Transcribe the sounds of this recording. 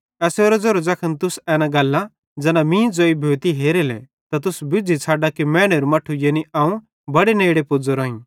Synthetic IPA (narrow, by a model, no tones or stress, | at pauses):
ɛːsoːɾɛd͡zoɾod͡zɐkʰənt̪ʊsɛːnãɡɐlːã | d͡zɛːnãmĩːd͡zoːibʱeːt̪iɦeːɾelɛ̰ | t̪at̪̬ʊsbɪd͡zʱit͡sʰaːɖakimɛ̃ːɽ̃eɾumɐʈʰujeniʔaːũ | bɐɽeneːɽepʊd͡zoɾoːĩ